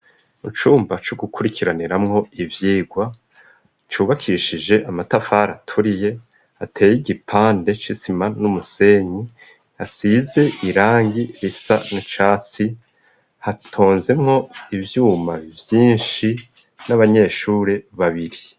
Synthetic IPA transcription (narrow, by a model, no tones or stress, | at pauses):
ut͡ʃuːmbat͡ʃoɡukʰuɾikʰiɾaniɾamŋo̞ivjiːɡwa | t͡ʃuːβakʰiːʃid͡ʒe̞ʔamatafaɾatʰuɾije̞ | hatʰe̞ːjiɟipʰaːnde̞t͡ʃisimanumuse̞ːɲi | hasize̞ʔiɾaːŋɡiɾisa̰nit͡ʃaːt͡si | hatʰoːnze̞mŋo̞ivjuːmavjiːnʃi | naβaɲe̞ʃuːɾe̞βaβiɾi